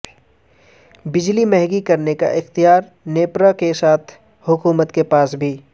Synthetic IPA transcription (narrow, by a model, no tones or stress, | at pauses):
bɪd͡ʒlimɛɦɡikɐɾneka̰ʔɪxt̪ijaːɾ | neːpɾakesaːt̪ʰ | hʊkuːmət̪kepaːsbʱiː